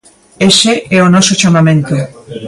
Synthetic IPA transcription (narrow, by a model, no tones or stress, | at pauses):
eseʔɛonɔsot͡ʃamamẽnt̪o